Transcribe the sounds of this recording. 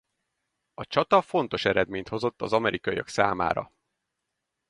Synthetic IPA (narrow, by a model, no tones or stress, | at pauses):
ɒt͡ʃɒt̪ɒfo̞n̪t̪o̞ʃɛɾɛd̪meːɲt̪ho̞zo̞t̪ːɒzɒmɛɾʔikɒijɒksaːma̰ːɾɒ̰